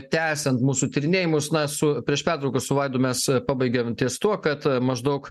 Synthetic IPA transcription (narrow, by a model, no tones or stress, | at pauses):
t̪ʲæːsʲɛnt̪muːsuːt̪ʲɪɾʲɪnʲeːjɪmʊsnɐsʊpʲɾʲiɛʃpʲæːt̪ɾɐʊkɐssʊʋɐɪd̪oːmʲɛspɑːbɐɪɡʲɛmt̪ʲiɛst̪uɔkɐt̪mɐʒd̪ɐʊk